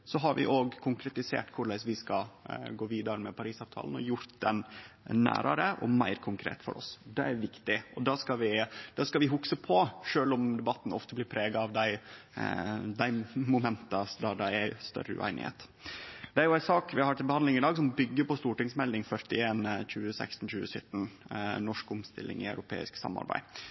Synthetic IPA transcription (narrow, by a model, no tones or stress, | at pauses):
sɔɦɑɾʋɪ̰ʔoːɡkʰʊŋkʰɾɛt̪ɪsḛːʈkʰʊɾɭæɪsʋɪskɑɡoːʋiːd̪ɑɾəmɛpʰɑɾiːsɑːʋt̪ʰɑ̰ːlən̩ɔ̰jʊɾt̪d̪ɛ̰nnæ̰ːɾɑ̰ɾəʔɔ̰mæ̰ɪɾkʰʊŋkʰɾḛːt̪fɔ̰ɾɔ̰sd̪ɛæɾʋɪkt̪ɪʔɔd̪ɑːskɑʋɪd̪̥ɑskɑʋɪɦʊksəpʰɔʂøːlʊmd̪ɛbɑt̪ːn̩ɔ̰ft̪əblɪːɾpʰɾeːɡɑɑʋd̪æɪ | d̪æɪmʊmɛnt̪ɑd̪ɑɖæɪæst̪œ̰ɾəʉ̰ʔæ̰ɪnɪ̰hḛːt̪ | d̪̥ɛæɾjʊæɪsɑːkʋɪɑhɑɾʈ̪ʰɪlbəhɑnd̪ɪŋɪd̪ɑːɡsɔmbʏɡːəpɔst̪uːʈɪŋsmɛlːɪŋfœɾt̪ɪeːnc͡çʉːəsæ̰ɪkst̪n̩çʉːəsœt̪ːn̩nɔʂkʊmst̪ɪlːɪ̰ŋɪœʉɾʊpʰḛːɪ̰sksɑ̰mːɑ̰ɾbæ̰ɪ